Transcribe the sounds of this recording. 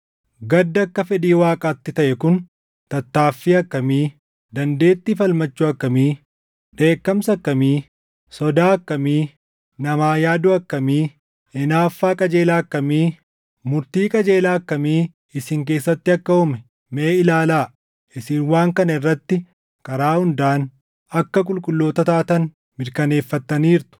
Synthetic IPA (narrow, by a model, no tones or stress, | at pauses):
ɡɐd̪ːɐkːɐfɛᶑiːwaːkʼaːt̪ːɪt̪ɐʔɛkʊn | t̪ɐt̪ːaːfːiːɐkːɐmiː | d̪ɐnd̪e̞ːt̪ːifɐlmɐt͡ʃːuɐkːɐmiː | ᶑ̪e̞ːkːɐmsɐkːɐmiː | sɔd̪aːɐkːɐmiː | nɐmaːjaːd̪ʊɐkːɐmiː | ɛnaːfːaːkʼɐd͡ʒe̞ːlaːɐkːɐmiː | mʊɾt̪iːkʼɐd͡ʒe̞ːlaːɐkːɐmiː | ɪsɪŋk̬e̞ːsːɐt̪ːɪɐkːɐhʊmɛ | meːɪlaːlaː | ʔɪsɪnwaːŋkɐnɐɪrːɐt̪ːɪ | kʼɐɾaːhʊnd̪aːn | ɐkːɐkʼʊlkʼʊlːo̞ːt̪ɐt̪aːt̪ɐn | mɪɾkɐne̞ːfːɐt̪ːɐniːɾt̪ʊ̥